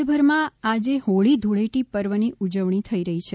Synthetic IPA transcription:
əbʱəɾmãad͡ʒehoɭid̪ʱuɭeʈipəɾʋəniud͡ʒəʋɳ̃it̪ʰəiɾəɦit͡ʃʰe

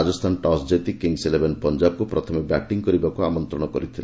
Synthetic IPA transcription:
d͡ʒɔst̪ʰanʈɔsd͡ʒet̪ikiŋselebenpɔnd͡ʒab̚kupɾɔt̪ʰɔmebaʈiŋkɔɾibakuamɔnt̪ɾɔɽ̃ɔkɔɾit̪ʰil

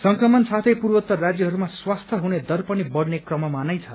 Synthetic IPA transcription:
sʌŋkrʌmʌnsat̪ʰʌjpurwʌt̪ːʌrad͡zjʌɦʌɾumaswast̪ʰʌɦuned̪ʌrpʌnibʌɽnekrʌmʌmanʌjt͡sʰʌ

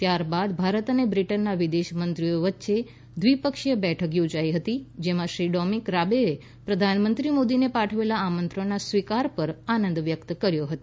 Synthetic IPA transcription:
t̪jaɾbad̪bʱaɾət̪ənebɾiʈənːaʋid̪eʃmənt̪ɾijoʋətːʃe | d̪ʋipəkʂjəbɛʈʰəkjod͡ʒaiɦət̪id͡ʒemãʃɾiɖɔmikɾabee | pɾəd̪ʱanmənt̪ɾimod̪inepaʈʰəʋelaːmənt̪ɾə̃asʋikaɾpəɾanənd̪ʋjəkt̪əkəɾjoɦət̪o

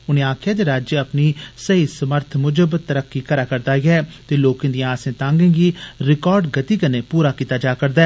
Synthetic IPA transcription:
ʊnẽːaːkʰjãːd̪eːɾaːd͡ʒjəəpniːsəɦiːsəməɾt̪ʰmʊd͡ʒəbt̪ːəɾəkːiːkəɾaːkəɾd̪aːɡɛːt̪eːloːkẽːd̪ĩãːsẽːt̪ãːŋɡẽːɡiːɾɪkɔːɾɖɡət̪iːkəneːpuːɾaːkiːt̪aːd͡ʒaːkəɾd̪aː

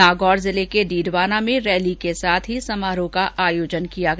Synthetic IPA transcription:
aːɡɔːɾzɪlekeɖiːɖʋaːnamẽɾɛːlikesaːt̪ʰɦisɐmaːɾõkaʔaːjoːd͡ʒənkijaɡ

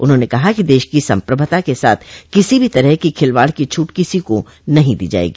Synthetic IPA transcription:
ʊnɦõnekɐɦakid̪eːʃkisɐ̰̃mpɾəbʱət̪akesa̰ːt̪ʰkɪsibʱit̪ɐɾəɦkikʰɪlʋaːɽkit͡ʃʰuːʈkɪsiko | nɐɦĩd̪ḭːd͡ʒa̰ːḛːɡiː

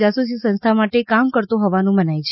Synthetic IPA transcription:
d͡ʒasus̬isənst̪ʰamaʈekamkəɾt̪oɦɔʋanũmənajt͡ʃʰ

